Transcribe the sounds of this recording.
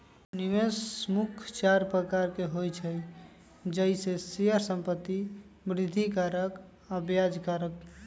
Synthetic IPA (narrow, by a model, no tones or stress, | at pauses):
niʋesmukʰt͡ʃaɾpɾəkaɾkeɦojt͡ʃʰəj | d͡ʒəjsesijəɾsə̃mpət̪ːi | bɾid̪ʱːikaɾək | əbjad͡ʒkaɾək̚